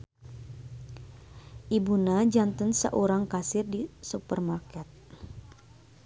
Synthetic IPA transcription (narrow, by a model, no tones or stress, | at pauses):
ʔibunad͡ʒant̪ənsə̰ʔoɾaŋkasɪrdisupərmarkɛt̪̚